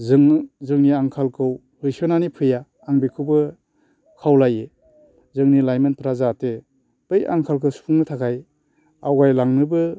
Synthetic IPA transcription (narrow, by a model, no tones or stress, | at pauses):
zŋzɯŋniaŋkʰalkʰɯw | hɯjsɯnanipʰɯjaː | ŋbikʰɯwbɯ | kʰawlaje | zɯŋnilajmɯnpʰɾazate | b̥ɯja̰ŋkʰalkʰɯwspʰuŋnɯtʰakʰaj | awɡajlaŋnɯbɯ